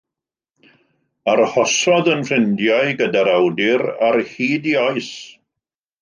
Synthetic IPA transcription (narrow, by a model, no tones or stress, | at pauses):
arhɔsɔðənfrɪndjajɡədaɾawdɪɾarhiːdiɔɨs